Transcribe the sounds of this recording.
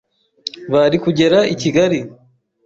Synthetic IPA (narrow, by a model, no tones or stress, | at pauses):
βaɾikuɟe̞ɾaiciɡaɾi